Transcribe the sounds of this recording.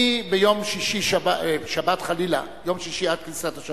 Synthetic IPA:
ibejo̞mʃiʃiʃabaeʃabat̪χalila̰ | jo̞mʃiʃiad̪̚kisat̪aʃ

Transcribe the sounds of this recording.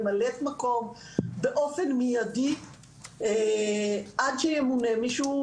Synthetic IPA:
malet̪makom | beʔofenmijad̪i | ʔad̪ʃɛjemunemiʃu

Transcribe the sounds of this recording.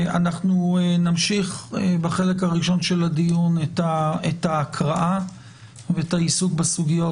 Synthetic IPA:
a̰naχnuenamʃiχbaχe̞le̞kaʁiʃo̞nʃe̞ladijunetaetaːkʁaʔa | veetaisuk̚basuɡijo̞

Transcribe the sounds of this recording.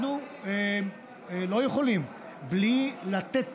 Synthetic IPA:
nu | e | lo̞jeχo̞lim | blilat̪et̪̚

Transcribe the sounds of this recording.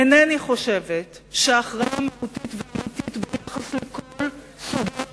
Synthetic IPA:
eneaniχo̞ʃevet | ʃeaχʁaʔameutitveamititbejaχaslekol | suɡe

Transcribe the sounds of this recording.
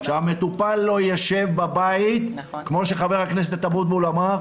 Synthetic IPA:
ʃeamet̪upalːo̞jaʃevbabait̪ | kmo̞ʃeχaveʁhaknes̬et̪at̪abut̪beolama

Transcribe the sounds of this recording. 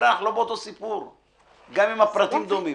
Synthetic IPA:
ɾaχlobot̪osipuɾ | ɡamimapɾat̪imd̪omi

